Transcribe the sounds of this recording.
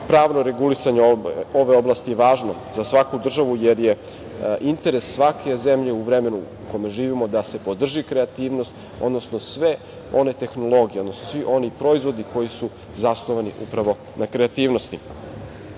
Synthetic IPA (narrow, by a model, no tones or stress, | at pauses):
pɾaːʋno̞ɾe̞ɡulisaɲeo̞ʋe̞o̞blˠaːst̪ijeʋaːʒno̞zasʋakud̪r̩ʒaʋujeɾje̞ | ʔint̪e̞ɾesːʋakʰe̞ze̞mʎe̞uʋɾeme̞nu | kome̞ʒiːʋimo̞d̪ase̞po̞d̪r̩ʒikɾeat̪iːʋno̞st̪ | o̞̰d̪no̞sno̞sʋe | o̞ne̞t̪e̞xno̞lˠo̞ɡijeo̞d̪no̞snosʋiʔo̞nipɾo̞izʋo̞d̪iko̞jisu | zasnoʋaniʔṵpɾaʋo̞ | nakɾeat̪iːʋno̞st̪i